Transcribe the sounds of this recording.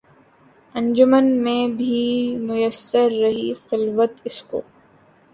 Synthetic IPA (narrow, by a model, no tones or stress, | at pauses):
ɐ̃ɲd͡ʒʊmənmẽbʱimʊjəsːəɾːɐɦixɪlʋət̪ɪsko̰ː